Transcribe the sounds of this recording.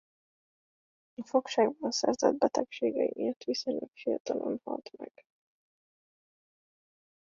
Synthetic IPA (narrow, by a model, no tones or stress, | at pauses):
ifokʃaːɡbɒnsɛrzɛd̪̚bɛt̪ɛkʃeːɡɛiʔeːrt̪ʋisoɲlɛkfijɒt̪ɒlʔonhɒlt̪mɛɡ̥